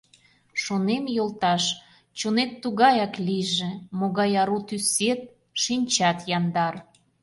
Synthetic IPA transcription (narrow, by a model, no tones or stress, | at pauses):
ʃonemjolt̪ɑʃ | t͡ɕonet̪ːuɣɑjɑkliʒĕmoɣɑjɑɾut̪yset̪̚ | ʃinʲt͡ɕɑt̪jɑnd̪ɑr